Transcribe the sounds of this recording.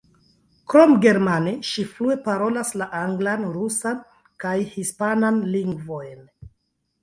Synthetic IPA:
kɾo̞mɡe̞ɾmaneʃiflue̞paɾo̞laslaʔaŋɡlanɾusan | kajhispananliŋɡvo̞jn

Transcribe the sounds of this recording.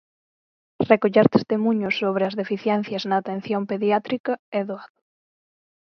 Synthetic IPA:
rekoʎɛɾt̪e̥st̪emũɲʊsːoβ̞ɾeɐzðefiθjɛn̟θjɐznɐːt̪ẽn̟θjompeðjat̪ɾikɐɛðoaðʊ

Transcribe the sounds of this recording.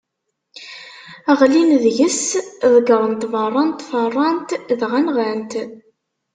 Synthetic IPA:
æʁlinðʝəsðˤəɡəɾˤənt̪vɑrˤːɑnt̪fɑrˤːɑnt̪ðʁænʁænt̪

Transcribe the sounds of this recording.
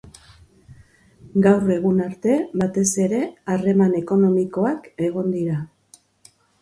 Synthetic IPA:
ɡawre̞ɣ̞unaɾt̪e̞βat̪e̞se̞ɾe̞are̞mane̞ko̞no̞miko̞ake̞ɣ̞o̞nd̪iɾa

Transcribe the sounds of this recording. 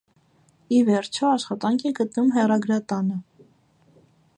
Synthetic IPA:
ivɛɾt͡ʃʰɔɑʃχɑt̪ɑŋkʰɛɡət̪numɦɛrɑɡɾɑt̪ɑnə

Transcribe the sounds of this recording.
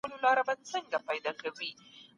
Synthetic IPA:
əlolɑɾabat͡səŋɡapɑjd̪ɑkawi

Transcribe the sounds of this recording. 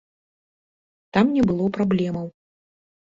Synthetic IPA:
t̪amnʲɛbɨlˠɔpɾablʲɛmɐw

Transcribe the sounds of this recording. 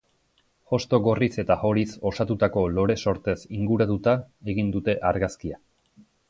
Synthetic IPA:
o̞st̪o̞ɣo̞rise̞t̪axo̞ɾiso̞sat̪ut̪ako̞lo̞ɾe̞so̞ɾt̪e̞siŋɡuɾat̪ut̪ae̞ɣind̪ut̪e̞ʔaɾɣaskia

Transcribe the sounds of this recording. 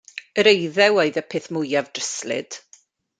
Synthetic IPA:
əɾejðɛwoɨðəpʰɪθmʊjavdrəslɪ̰d̥

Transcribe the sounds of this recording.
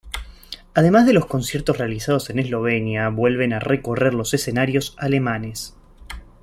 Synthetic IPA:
að̞e̞mazðe̞lo̞sko̞nsjeɾt̪osre̞alisað̞o̞se̞nezlo̞β̞e̞njaβwe̞lβ̞e̞nareko̞reɾlo̞se̞se̞naɾjo̞salemane̞s

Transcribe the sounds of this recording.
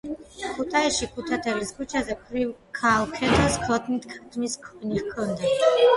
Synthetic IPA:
kʰʼut̪ʼʰaiʃikʰʼut̪ʰat̪ʰɛliskʰʼut͡ʃʰazɛpʰɾivkʰalˠkʰɛt̪ʰɔskʰɔt̪ʰʼnit̪ʰkʰat̪ʰʼmiskʰɔnihkʰɔnd̪a

